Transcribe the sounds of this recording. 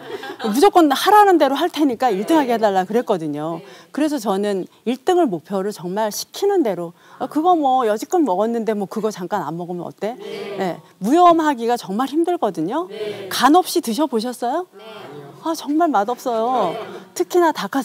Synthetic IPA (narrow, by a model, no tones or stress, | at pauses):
mud͡ʑok͈ʌnhaɾanɯnde̞ɾoɦaɭtʰe̞ɲik͈aiɭt͈ɯŋɦaɡehedaɭːakɯɾe̞t̚k͈ʌdɯɲokɯɾe̞s̬ʰʌt͡ɕʌnɯniɭt͈ɯŋɯɭmopʰjʌɾɯɭt͡ɕʌŋmaɭɕʰi̥kʰinɯnde̞ɾo | akɯɡʌmwʌjʌd͡ʑik͈ʰɯnmʌɡʌnːɯnde̞mwʌkɯɡʌt͡ɕaŋk͈ana̰nmːʌɡomjʌnʌ̰t͈e̞ne̞ | mujʌmɦaɡiɡat͡ɕʌŋmaɭçimdɯɭk͈ʌdɯɲokanʌp̚ɕ͈itɯɕʰʌboɕʰʌs͈ʌjo | at͡ɕʌŋmaɭmadʌp̚s͈ʌjotʰɯkʰinatakʰa